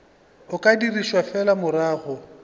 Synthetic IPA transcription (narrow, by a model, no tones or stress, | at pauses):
ʊkʼadiriʃwafɛlamʊɾaːɣɔ